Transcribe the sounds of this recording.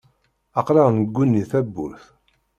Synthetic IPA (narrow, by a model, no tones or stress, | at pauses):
ɑqlɑʁnəɡʷːunːiθæbːṵɾθ